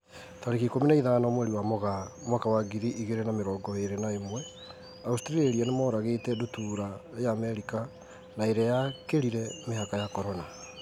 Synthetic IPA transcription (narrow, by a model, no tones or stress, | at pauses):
taɾeɣikominaiðaːnamwɛɾiwamoɣamwakawaɡiɾiʔiɣeɾenameɾɔːɡɔeɾenaemwɛ | austiɾieɾianemɔɾaɣetɛdutuɾajaːmɛɾika | naeɾajakeɾiɾɛmeɦakajakɔɾɔna